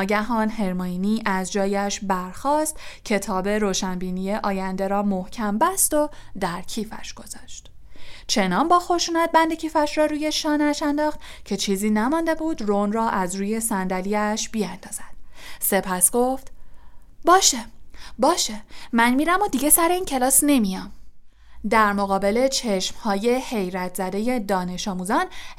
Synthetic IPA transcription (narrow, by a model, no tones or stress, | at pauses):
ɟæɦɒːnɦe̞ɾmoiniːʔæzd͡ʒɒːjæʃbæɾxɒːst̪cʰe̞t̪ʰɒːbe̞ɾoːʃænbiːnijeʔɒːjænd̪e̞ɾɒːmohcʰæmbæst̪o̞d̪æɾcʰiːfæ̰ʃɡ̥o̞z̥ɒːʃt̪ | t͡ʃʰe̞nɒːnbɒːxo̞ʃuːnæt̪̚bænd̪e̞cʰiːfæʃrɒːɾuːje̞ʃɒːnæʃænd̪ɒːχt̪cʰe̞t͡ʃʰiːziːnæmɒnd̪e̞buːd̪ronrɒːʔæzɾuːje̞sænd̪æliæʃbiænd̪ɒːz̥æd̪̥se̞pʰæsɡ̥o̞ft̪ | bɒːʃebɒːʃemænmiɾæmod̪iɡe̞sæɾeiːncʰe̞lɒːsne̞mijɒm | d̪æɾmoɣɒːbe̞le̞t͡ʃʰe̞ʃmhɒːje̞he̞jɾæt̪ʰz̥æd̪e̞je̞d̪ɒːne̞ʃɒːmuzɒn